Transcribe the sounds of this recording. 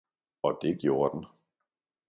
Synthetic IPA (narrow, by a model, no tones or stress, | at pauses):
ɒ̽d̥e̝ɡ̥jo̝ːɐd̥en̩